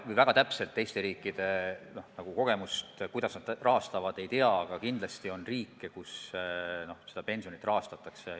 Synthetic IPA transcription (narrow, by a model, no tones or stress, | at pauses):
vɯjvæɡ̥ɑt̪æpse̞lt̪ːe̞jst̪e̞ɾiːkːˑid̪̥e̞no̞hnɑɡ̥uko̞ɡ̥e̞must̪kujd̪̥ɑsnɑd̪rʔɑɦɑst̪ɑvɑd̪e̞jt̪eɑːɡ̥ɑkind̪lɑst̪io̞nriːkːekus | no̞sed̪ɑpe̞nsijo̞nit̪rɑɦɑst̪ɑt̪ːˑɑkse̞